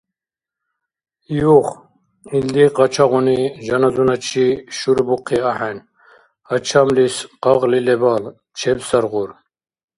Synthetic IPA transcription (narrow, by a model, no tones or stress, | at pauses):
juχ | ild̪iqɑt͡ʃʰaʁuniʒɑnazunat͡ʃʰiʃuɾbuqʰiaħɛn | at͡ʃʰamlisqɑʁlilɛbal | t͡ʃʰɛbsaɾɣuɾ